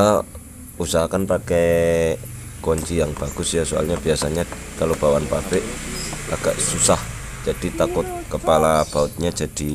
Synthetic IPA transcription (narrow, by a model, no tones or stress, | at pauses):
usaɦakanpakɛ | kɔɲt͡ʃijaŋb̥aɡ̥ʊsjasoa̰lɲab̥iasaɲa | kalob̥awanpapɪʔlʔa̰ɡ̥aʔsusah | d͡ʒ̥ad̥it̪akʊt̪̚kəpalab̥aʊt̪̚ɲad͡ʒad̥i